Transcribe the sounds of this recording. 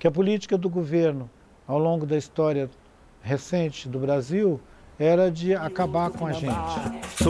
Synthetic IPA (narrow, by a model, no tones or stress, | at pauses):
kɪɐp̬ʊlit͡ʃi̥kɐd̪ʊɡoveɾnʊ | awlõɡʊd̪ɐist̪ɔɾiɐ | ɦesẽnt͡ʃɪd̪ʊbɾaziw | ɛɾɐd͡ʒɪakabaɾkõɐʒẽt͡ʃɪ̥